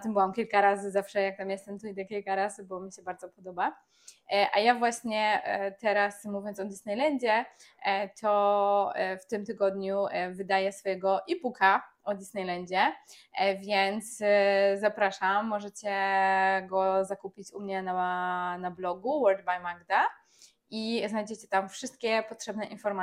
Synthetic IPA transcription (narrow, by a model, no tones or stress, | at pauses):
t̪ɨmbɘwamkʲilkaɾazɘzafʂɛjak̚t̪amjɛst̪ɛmt̪ɔid̪ɛkʲilkaɾazɘbɔmʲiɕɛbaɾd̪zɔpɔd̪ɔba | ʔajavwaɕɲɛt̪ɛɾasmuvjɔntsɔd̪ʲisnɛjlɛɲd͡ʑɛ | t̪ʰɔ | ft̪ɘmt̪ɘɡɔd̪ɲuvɘd̪ajɛsfɔjɛɡɔʔipukʰaɔd̪ʲisnɛjlɛɲd͡ʑɛ | vʲjɛnt̪szapɾaʂamːɔʐɛt͡ɕɛ | ɡɔzakupʲit͡ɕumɲɛnanablɔɡuwɔɾd̪bajmaɡd̪a | iznajd͡ʑɛt͡ɕɛt̪amfʂɘst̪̚kʲɛpɔtʂɛbnɛʔinfɔɾma